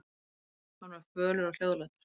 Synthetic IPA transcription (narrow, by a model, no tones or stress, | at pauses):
hanvaɾ̥fœːlʏɾawl̥owðlat̪ɪɾ̥